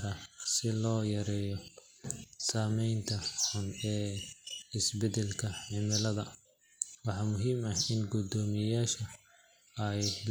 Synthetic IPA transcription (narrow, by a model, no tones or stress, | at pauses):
ɾɐsɪlɔːjɐɾɛːjɔ | saːmɛjnt̪ʰɐħʊnɛː | ɪsbɛd̪ɛlkʰɐħɪmɪlɐðɐ | wɑħɑːmʊɦiːmɐɪnɡʊd̪ɔːmɪjaːʃɐ | ɐj